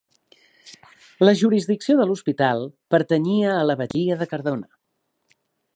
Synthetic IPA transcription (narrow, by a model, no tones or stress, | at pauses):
ləʒuɾizðiksioðəluspit̪alˠpəɾt̪əɲiəːləβəʎiəðəkəɾðonə